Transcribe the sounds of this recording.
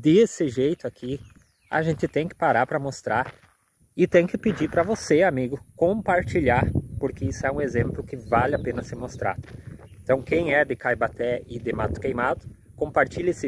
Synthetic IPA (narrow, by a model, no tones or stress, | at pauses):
d̪ɪesɪʒejt̪ʊakʰi | a̰ʒẽnt̪ɪt̪ẽj̃kɪ̥paɾaɾpɾɐmost̪ɾaɾ | ɪt̪ẽj̃kɪpɪd͡ʒipɾɐvoseamiɡʊkõpaɾt͡ʃiʎaɾpoɾkɪisʊɛũezẽmplʊkɪvalɪapẽnɐsɪmost̪ɾa̰d̪ʊẽnt̪ɐ̃w̃kẽj̃ɛd̪ɪkajbat̪ɛɪd̪ɪmat̪ʊ̥kejmad̪ʊ | kõmpaɾt͡ʃiʎɐesɪ